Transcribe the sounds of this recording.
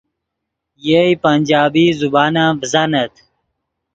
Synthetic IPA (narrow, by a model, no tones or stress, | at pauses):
jeipɐnʲd͡ʑaːbiːzubaːnãːbzanɐt̪ʰ